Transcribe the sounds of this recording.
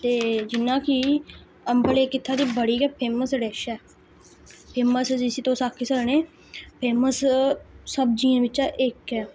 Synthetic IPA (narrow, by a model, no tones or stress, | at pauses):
t̪eːd͡ʒɪnːãːkɪ | əmbəleːkɪt̪ʰːaːd̪iːbəɽiːɡɛːpʰeːməsɽɛːʃɛː | pʰeːməsd͡ʒɪsiːt̪õːsaːkʰːisəlneː | pʰeːməsː | əbd͡ʒiːãːʋɪt͡ʃaʔɪkɛː